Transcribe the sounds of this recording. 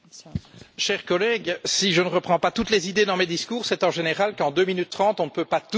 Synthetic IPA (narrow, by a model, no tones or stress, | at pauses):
ʃɛʁkɔlɛɡsiʒənəʁəpχɑ̃pat̪ut̪lezid̪ed̪ɑ̃med̪iskuːʁsɛt̪ɑ̃ʒeneʁalkɑ̃d̪øminyt̪ːχɑ̃ːt̪ɔ̃nəpøpat̪